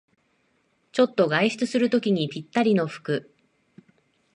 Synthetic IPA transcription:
t͡ɕo̞t̪ːo̞ɡaiɕi̥t͡sɨsɨɾɯ̟t̪o̞kʲiɲ̟ipʲit̪ːaɾʲino̞ɸɯ̥kɯ̟

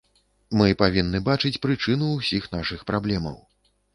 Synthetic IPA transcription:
mɨpavʲinːɨbat͡ʂɨt͡sʲpɾɨt͡ʂɨnuːsʲixn̪aʂɨxpɾablʲɛmɐ̰w

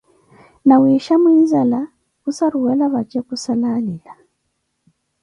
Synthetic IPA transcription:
nawiʃamuizala | kusaɾuɛlaβat͡ʃɛkusalalila

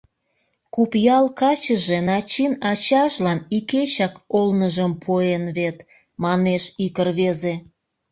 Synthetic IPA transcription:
kupjɑlkɑt͡ɕəʒe̽nɑt͡ɕinɑt͡ɕɑʃlɑniket͡ɕɑkolnəʒəmpʰoenβet̪ | mɑneʃikərβeze

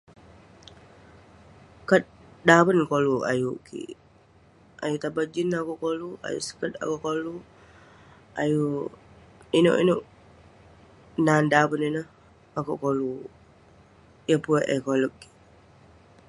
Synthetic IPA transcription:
kət̚dabənkolua̰jukḭ | ʔajut̪abad͡ʒinakuʔkolua̰jṵʔsə̥kəta̰koʔkolu | aju | ino̰ʔḭnuʔ | nandabənino | akuʔkolu | jəpueʔekoləkːi̥

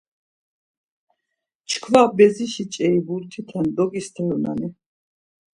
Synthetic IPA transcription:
t͡ʃʰkʰvabɛziʃit͡ʃʼɛibuɾt̪ʰit̪ʰand̪ɔɡist̪ʰɛɾɔna̰ni

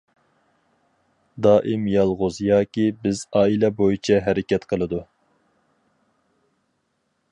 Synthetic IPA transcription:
d̪ɑːʔimjɑlˠʁʊzjɑːkʲibɪzɑːilɛbojit͡ʃʰɛɦæɾɪkʲɛt̪qʰəlˠɨd̪u

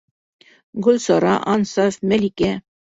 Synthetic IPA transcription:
ɡɵlʲsɑɾɑʔɑnsɑfmælʲikʲæ

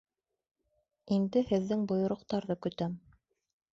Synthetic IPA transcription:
ind̪ɘhɘ̆ðːɘŋbŏjŏɾŏqt̪ɑɾðɤkɵ̆t̪æm

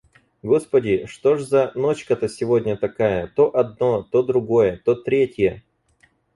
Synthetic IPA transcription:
ɡo̞spədʲɪʂt̪o̞ʐzɐno̞t͡ɕkət̪əsʲɪvo̞dʲnʲət̪ɐkajət̪o̞ʔɐd̪̚no̞t̪o̞d̪ɾʊɡo̞jət̪o̞t̪ɾʲetʲjə

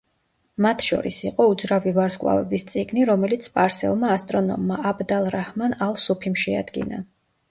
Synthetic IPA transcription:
mat̪ʰʃɔ̰ɾisiqʼɔud̪zɾavivaɾskʼwlˠa̰vɛ̰bist̪sʼiɡniɾɔmɛlit̪sʰpʼaɾsɛ̰lˠmaːst̪ʼɾɔnɔ̰mːaʔabd̪alˠɾahmanalˠsupʰimʃɛa̰d̪ɡḭna̰

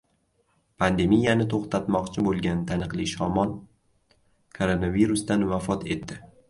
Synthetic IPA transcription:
pʰand̪e̞mijanɪt̪ʰoχt̪ʰat̪mɒqt͡ʃʰɪbolˠɡʲant̪ʰanɨqlˠiʃɒmɒn | kʰoɾonaviɾʊst̪anvafɒt̪ʰe̞t̪ːɪ

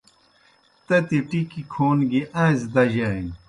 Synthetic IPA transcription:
t̪ɐt̪iʈikikʰoːnɡiʔãːzd̪ɐʑɐin

